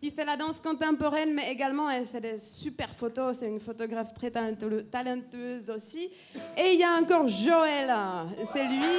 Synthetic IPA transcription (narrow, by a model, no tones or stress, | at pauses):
kʲifɛlad̪ɑ̃skɔ̃t̪ɑ̃pɔʁɛnmɛeɡalmɑ̃ɛlfɛd̪esypɛʁfot̪osɛt̪ynfot̪ɔɡʁaft̪χɛt̪at̪alɑ̃t̪øzosi | eiljaɑ̃kɔʁʒoɛlsɛlɥi